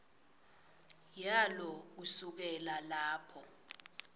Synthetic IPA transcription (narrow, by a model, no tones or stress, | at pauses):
jalɔk̬usuk̬ɛlalaːpʰɔ